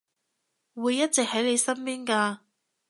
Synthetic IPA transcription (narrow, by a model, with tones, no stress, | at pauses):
wuː˨˧jːɐ˥t̚t͡sɛ˨k̚hɐ˨˥jle˨˧jsɐ˥mpiː˥nkaː˧